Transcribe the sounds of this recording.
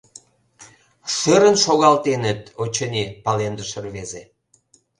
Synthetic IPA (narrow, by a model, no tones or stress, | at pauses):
ʃøɾənʃoɣɑlt̪enət̪̚ot͡ɕənʲipɑlend̪əʃərβeze